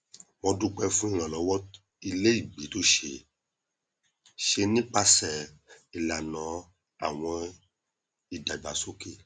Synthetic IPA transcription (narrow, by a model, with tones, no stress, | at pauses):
wɔ̃˧du˦k͡pɛ˦fũ˦i˦˧ɾ̃ã˨lɔ˨˧wɔ˦ | i˧le˦i˦˨ɡ͡bi˨˦to˦ʃe˧ | ʃe˧nĩ˦k͡pa˦sɛ˨i˨la˨nã˨˦ | a˦˨w̃ɔ̃˧ | i˨da˨i˨ba˨so˦ke˦˨